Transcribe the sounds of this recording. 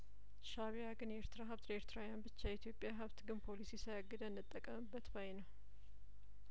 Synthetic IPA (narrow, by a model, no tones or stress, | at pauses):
ʃaβijaɡɨnɛeɾt̪ɨɾaɦɨβt̪ɾeɾt̪ɾawjanbɨt͡ʃːait̪ʰjo̞pʼjaɦɨβt̪ɡɨnpʰo̞lisisəjaɡːɨd̪ənːɨt̪ʼːəkʼːəmɨbːət̪bajnəw